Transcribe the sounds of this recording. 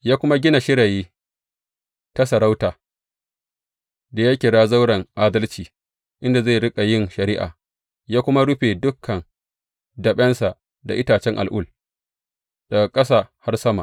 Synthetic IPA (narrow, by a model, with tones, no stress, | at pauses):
jaː˦kʷʊ˦ma˦ɡʲɪ˦na˨ʃɪ˦ɽa˨jiː˦ | ta˦sɐ˨ɽa˦wtaː˨ | da˨ja˦kʲɪ˨ɽaː˦za˦wɽɐ˨ŋʔaː˦dɐ˦lt͡ʃiː˨ | ʔɪ˦nda˨zeː˦˨ɽɪ˦kʼa˨jɪ˦˨ŋʃɐ˨ɾɪː˦ʔa̰ː˨ | jaː˦kʷʊ˦ma˦ɽʊ˦ɸe˨dʊ˦kʰːɐ˨n | dɐ˨ɓɛ˦nsa˨ | da̰˨ʔɪ˦taː˨t͡ʃɛ˦ŋʔa̰˨lʔʊ˦l | d̥a˨ɡa˨kʼɐ˦sa˨ha˦rsɐ˦ma̰˨